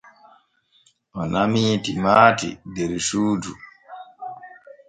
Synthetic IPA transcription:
ʔɔnamiːtimaːtḭdɛɾsuːd͡ʒu

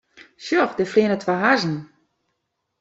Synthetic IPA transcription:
sjɔxdəflɪənətʰwaɦazn̩

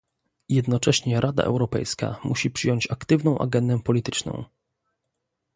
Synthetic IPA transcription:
jɛd̪nɔt͡ʂɛɕɲɛɾʔad̪a̰ʔɛ̰wɾɔpɛ̰jska̰muɕipʂɘjɔɲt͡ɕakt̪ɘvnɔ̃w̃ʔa̰ɡɛnd̪ɛpɔlʲit̪ɘt͡ʂnɔ̰̃w̃

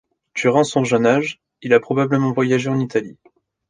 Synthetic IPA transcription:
d̪̥yʁɑ̃sɔ̃ʒənaʒ | ilapχɔbabləmɑ̃vwajaʒeɑ̃nit̪ali

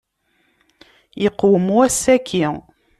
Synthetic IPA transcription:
jəqːwəmuæsːækʰːi

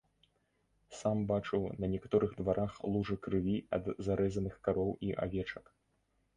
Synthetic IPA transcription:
sambat͡ʂɨwnɐnʲɛkḁt̪ɔɾʔɨɣd̪vaɾʔaxlˠuʐɨkɾɨvʲiɐ̰d̪zaɾɛzɐnɨxkaɾɔwiʔa̰vʲɛt͡ʂɐk

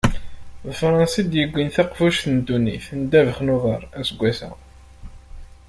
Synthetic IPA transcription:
ðəfɾˤɑnsid̪jəɡʷːinθaqfuʃθənd̪unḭθnd̪ævəχnuðəɾˤæsəɡʷːæθæ̰

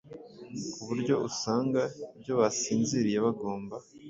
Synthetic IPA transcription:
kuβuɾɟo̞usaːŋɡaibɟo̞βasiːnziɾijeβaɡo̞ːmba

